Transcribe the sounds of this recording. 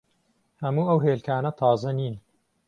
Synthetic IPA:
hɐmuːɐwɦeːlkʰaːnɐt̪ʰɑːzɐniːn

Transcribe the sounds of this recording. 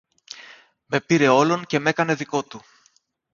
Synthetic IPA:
me̞piɾe̞o̞lo̞nce̞me̞kɐne̞ðiko̞t̪u

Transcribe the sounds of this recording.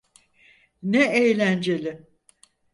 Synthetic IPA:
nɛejlʲænd͡ʒe̞lʲɪ

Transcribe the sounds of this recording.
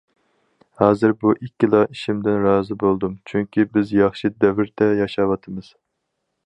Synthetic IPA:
hɑːzɨɾbuʔikʲːilˠɑiʃimd̪ɪnɾɑːzɨbolˠd̪umt͡ʃʰyŋkʲibɪzjɑχʃid̪ɛvɪɾt̪ʰɛjɑʃɑwɑt̪ʰɨmɨz̥

